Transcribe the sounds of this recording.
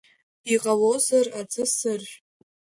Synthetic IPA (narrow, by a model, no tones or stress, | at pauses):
iqʼalozarad͡zʼɨsɨrʒʷᶣ